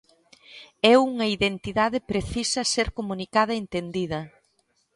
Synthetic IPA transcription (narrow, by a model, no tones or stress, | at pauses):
ɛuŋɐiðent̪iðaðɪpɾeθisɐseɾkomunikað̞ɐent̪end̪iðɐ